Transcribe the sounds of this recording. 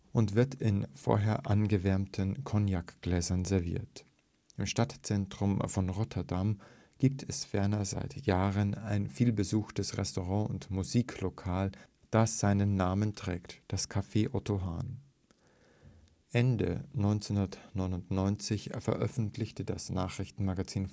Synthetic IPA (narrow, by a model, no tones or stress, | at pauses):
ʔʊntv̥ɪɐtɪnfo̰ːɐɦeːɐʔanɡəvɛɐmtʰənkʰɔnjakɡ̥lɛːzɐnzɛɐvḭːɐt | ʔɪmʃtatt͡sɛntʁ̥ʊmfɔnʁɔtʰɐdam | ɡ̥iːp̚tʰɛsfɛɐnɐza̰ɪtjaːʁənaɪnfiːlbəzuːxtəsʁɛ̰stoʁɑ̃ːʊntmuziːklokʰaːl | d̥asz̥aɪnənːaːməntʁ̥ɛːktd̥askʰafeːʔɔtoɦa̰ːn | ʔɛndə̰nɔʏnt͡snundɐtnɔʏnʊntnɔʏnt͡sɪçfɛɐʔœfn̩tʰlɪçtədasnaːχʁ̥ɪçtn̩maɡat͡siːn